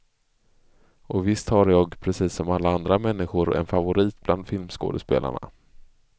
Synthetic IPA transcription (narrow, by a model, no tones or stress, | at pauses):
ʔɔvɪst̪haɾjɑːɡpʰɾɛsiːsːɔmalːaand̪ɾamɛnːɪɧʊɾɛ̰nfavʊɾiːt̪bland̪fɪlmsko̰ːd̪əspḛːla̰ɳa̰